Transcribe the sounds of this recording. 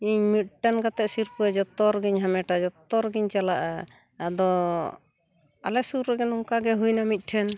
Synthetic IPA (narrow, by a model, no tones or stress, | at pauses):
iɲmiʈankat̪ɛʔsiɾpuɛd͡ʒɔt̪ɔɾɡiɲɦamɛʈad͡ʒɔt̪ɔɾɡiɲt͡ʃalaʔa | ad̪ɔ | a̰lɛsuɾɾɛɡɛnɔŋkaɡɛɦujnamit̪̚ˀʈʰɛn